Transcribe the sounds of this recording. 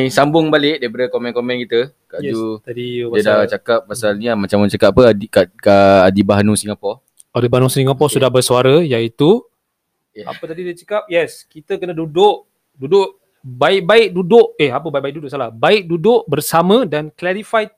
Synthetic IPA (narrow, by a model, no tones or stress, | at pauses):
sambʊŋbalɪʔ̚dabəɾəkomɛ̃nkɔmɛ̃nkit̪ə | kajd͡ʒut̪adibadaat͡ʃakap̚pasalɲmat͡ʃamat͡ʃakap̚apədikakaːdibaɦnũsĩŋɡapɔ | adibanusiŋɡapɔsudahbərsuaɾəjait̪u | a̰pət̪adidat͡ʃəkap̚jɛskit̪əkənadudʊʔ | dudʊʔ | baɪk̚baɪk̚dudʊʔehapəbaiʔ̚baik̚dudʊʔsalahbaɪk̚dudʊʔbərsamə̃danklaɾifaj